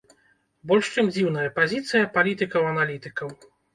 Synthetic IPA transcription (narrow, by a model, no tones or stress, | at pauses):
bɔlʲʂt͡ʂɨmd͡zʲiwnɐjɐpazʲit̪sɨjɐpalʲit̪ɨkɐwɐnalʲit̪ɨkɐw